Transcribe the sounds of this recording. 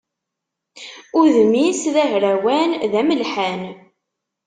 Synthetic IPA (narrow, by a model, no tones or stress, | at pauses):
ʊðmisðæɦɾæwænðæməlħæn